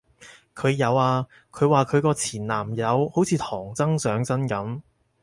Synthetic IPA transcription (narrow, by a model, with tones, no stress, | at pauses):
kʰɵ˨˧ɥjɐ˨˧waː˧ | kʰɵ˨˧ɥwaː˨˩kʰɵ˨˧ɥkɔː˧t͡sʰiː˨˩nlaː˨˩mjɐ˨˧who˨˥wt͡sʰiː˨˧t̪ʰɔː˨˩ŋt͡sɐ˥ŋsœː˨˥ŋt͡sɐ˥nkɐ˨˥m